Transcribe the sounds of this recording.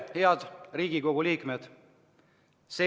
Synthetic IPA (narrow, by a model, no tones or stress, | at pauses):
heɑd̪̥riːɡ̥iko̞ɡ̥uliːkmed̪̥ | se